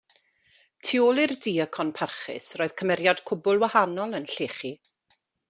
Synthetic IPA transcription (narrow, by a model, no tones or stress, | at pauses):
tʰiolˠɪrdiːəkʰɔnpʰarχɪ̰sroːɨð̥kʰəmɛɾjad̥kʰʊbʊlˠwahanɔlˠənɬeːχi